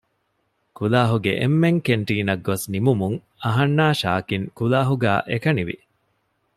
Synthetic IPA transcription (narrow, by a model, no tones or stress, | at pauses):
kulaːɦuɡḛʔḛmːeŋkeɳʈiːnɐɡːosnimumuŋ | ɐɦɐnːaːʃa̰ːkiŋkulaːɦuɡæ̰ːʔekɐniʋḭ